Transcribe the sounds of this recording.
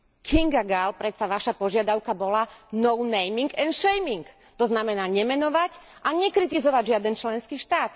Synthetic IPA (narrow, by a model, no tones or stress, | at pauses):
kʰiŋɡaɡalpɾɛt̪saʋaʃapɔʒɪad̪aʊkabɔlanɔʊnɛjmiŋɡɛnʃɛjmiŋk | t̪ɔznamɛnaːɲɛmɛnɔʋacʔaɲɛkɾit̪izɔʋaɟʒɪad̪ɛnt͡ʃlɛnskiːʃt̪aːt̪